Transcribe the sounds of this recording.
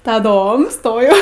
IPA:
tɐˈdoːm ˈstoːjɛʊ

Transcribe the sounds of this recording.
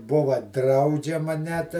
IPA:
ˈbʊʋɐ ˈdrɐʊd͡ʒʲɛmɐ nʲɛt

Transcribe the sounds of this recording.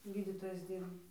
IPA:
ˈɡʲiːdʲiːtoːjɛɪs ˈdʲiːrbɐ

